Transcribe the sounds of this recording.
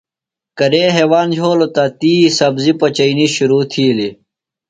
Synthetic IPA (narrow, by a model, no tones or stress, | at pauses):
kɐɾeːɦeːwaːnd͡ʑʱoːlot̪ɐt̪iːsɐbzipɐt͡ɕɐiniɕuɾuːt̪ʰiːli